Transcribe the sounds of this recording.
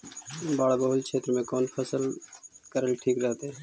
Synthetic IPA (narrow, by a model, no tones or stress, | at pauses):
baːɽbəɦulkʰeːt̪ɾəmẽkɔːnpʰəsəlkəɾəlʈʰiːkɾəɦt̪eː